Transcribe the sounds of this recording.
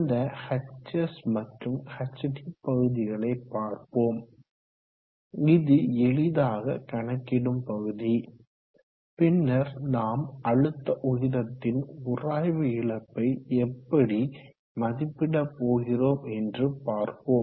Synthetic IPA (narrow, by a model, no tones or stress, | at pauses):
nd̪ɐhɐt͡ʃːɐsmɐʈrɯmhɐt͡ʃːɐʈipːɐɣɯðɪɣɐɭɐɪpːaːɾpoːm | ɪðɯɛɭɪðaːɣɐ̰kɐɳɐkːɪɽɯmpɐɣɯði | pɪnːɐɾnaːmɐɭɯt̪ːɐʔɔjɪðɐt̪ːɪnʊraːjʋɯɪɭɐpːɐɪɛpːɐɽi | mɐðɪpːɪɽɐpːoːɣɪroːmɛndrɯpaːɾpoːm